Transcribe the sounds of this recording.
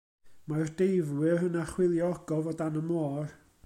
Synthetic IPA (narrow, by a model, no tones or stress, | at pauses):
mard̥ejvwɪrənaχwɪlˠjɔɔɡɔvɔdanəmoːr